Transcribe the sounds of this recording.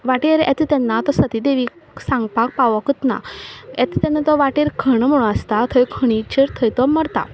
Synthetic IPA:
ʋaʈeɾɛ̰t̪it̪ɛnːat̪ɔsət̪id̪eʋiːk | sãŋɡpak̚paʋɔkət̪na̰ɛ̰t̪it̪enːat̪ɔʋaʈeɾkʰəɳ̃m̤əɽ̃ũəst̪at̪ʰəjkʰəɽ̃it͡ɕeɾt̪ʰəjt̪ɔməɽt̪a̰

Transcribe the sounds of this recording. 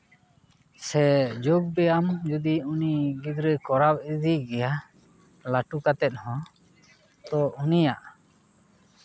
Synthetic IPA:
sɛd͡ʒɔb̚ɡɛamd͡ʒud̪iuniɡid̪ɾəkɔɾap̚id̪iɡɛja | laʈukat̪ɛt̪̚ˀhɔ̃ | t̪ɔʔunija̰ʔ

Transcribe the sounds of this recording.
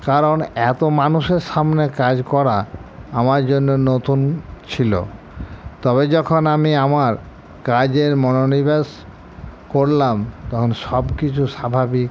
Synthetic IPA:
kaɾonɛt̪omanuʃeɾʃamnekad͡ʑkɔɾaamaɾd͡ʑonːonot̪unt͡ɕʰilo̰ | t̪ɔbed͡ʑɔkʰonamiamaɾ | kad͡ʑeɾmɔnonibes | koɾlamt̪ɔkʰonʃɔbkit͡ɕʰuʃabʱabik

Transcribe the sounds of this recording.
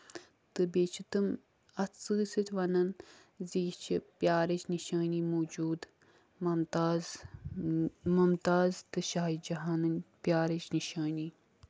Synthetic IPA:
t̪ɨbʲeːt͡ʃʰit̪ɨm | ɐt͡sɨːsɨt̪ʰʲʋɐnɐnziːt͡ʃʰipjaːɾɐt͡ʃʰniʃaːniːmoːd͡ʒuːd̪ | mɐmt̪aːz | mumt̪aːzt̪ɨʃaːid͡ʒɐɦaːnɨnpjaːɾɐt͡ʃniʃaːniː

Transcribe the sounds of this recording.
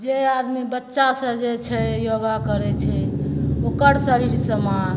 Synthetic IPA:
d͡ʒead̪mibətːʃasə̃d͡ʒet͡ʃʰɛjoɡakəɾɛt͡ʃʰɛokəɾsəɾiɾsəman

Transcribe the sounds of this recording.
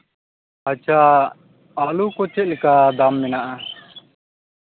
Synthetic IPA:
at͡ʃʰa | alukɔt͡ʃɛt̪̚lɛkad̪amːɛnaʔa

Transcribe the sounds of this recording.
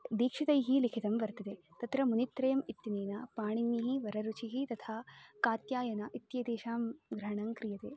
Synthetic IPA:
d̪iːkʂit̪ɐjɦilikʰit̪ɐmʋɐɾt̪ɐd̪et̪ɐt̪ɾɐmunit̪ːɾɐjɐmit̪ːineːnɐpaːɳinːiɦiʋɐɾɐɾut͡ʃʰiɦit̪ɐt̪ʰaːkaːt̪jaːjɐnɐʔit̪jɐd̪eːʃaːmɡɾɐɦɐɳɐŋkɾijɐt̪ḛː

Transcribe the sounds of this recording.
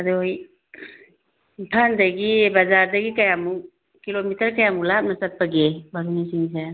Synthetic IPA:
ɐduj | tʰandaɡibazaɾdɐɡikajamu | kilomitɐɾkajamulap̚nɐsat̚paɡebaɾunisiŋs̬e

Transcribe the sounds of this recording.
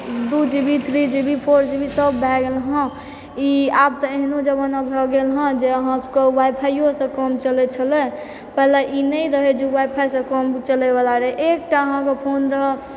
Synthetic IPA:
d̪ud͡ʒibit̪ʰɾid͡ʒibʱipʰoɾd͡ʒibisəbːʱɛɡelɦə̃ | iab̚t̪ɔeɦnũd͡ʒəbənabʱɔɡelɦə̃d͡ʒeəɦãsəb̚kewajpʰajosə̃kɔmt͡ʃəlet͡ʃʰəle | pɛɦlaʔinəiɾəɦed͡ʒewajpʰajsə̃kɔmt͡ʃəlebalaɾəeʔek̚ʈaəɦãkepʰonɾəɦə

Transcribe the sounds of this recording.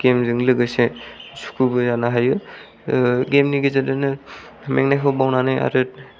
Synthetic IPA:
ɡ̥emzɯŋlɯɡɯjsezu̥kʰubɯzanaɦajɯ | ɡemniɡezadɯnɯ | meŋnajkʰɔbawnanaja̰ɾɯt̚

